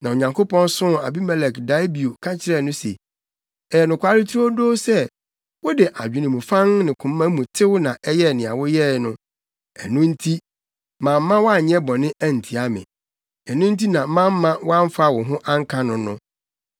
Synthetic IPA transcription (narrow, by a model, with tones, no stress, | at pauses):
nã˨o˨ɲã˨ŋkʰo˦pɔ̃˦n˦sʊ̃˦a̰˨bi˦mɛ˨lɛ˨kda˨˦bi˨o˨kʰa˦t͡ɕʰɪ˦ɾɛ˦˨nʊ̃˦sḛ˨ | ɛ˨nʊ̃˨kʷʰa˦ɾɪ˦tʰɾu˦o˦doː˦sɛ˦ | wɔ˦dɪ˨ʔa˨d͡ʑᶣɪ˨nɪ̃˨mũ˨fã˦ŋnɪ̃˨kʰʊ̃˨mː˦ã˦mũ˨tʰɪ˦wʊ˦nã˨ʔɛ˦jɛ˦˨nɪ̃˨a̰˨wɔ˦jɛ˦˨nʊ̃˦ | ɛ˨nʊ̃˦n̩˦tʰi˦ | mã˨m̩ː˦ã˦wɔ˦a˦˨ɲɛ̃˦bɔ̃˨nɪ̃˦ʔæ˦n̩˨tʰi˨a˦mɪ̰̃˨ | ɛ˨nʊ̃˦n̩˦ti˦nã˨˦mã˦m̩ː˦ã˦wɔ˦a˦ɱ˦fa˦˨wɔ̃˨ɦʊ̃˦ʔã˦ŋ̩˦kʰã˦nʊ̃˨nʊ̃˦